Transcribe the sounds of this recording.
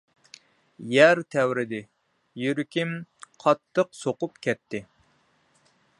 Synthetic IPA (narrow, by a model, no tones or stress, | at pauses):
jɛɾt̪ʰɛwɾɪd̪ɪ | jyɾkʲimqʰɑt̪ʰːəqsoqʊpkʲʰɛt̪ʰːɪ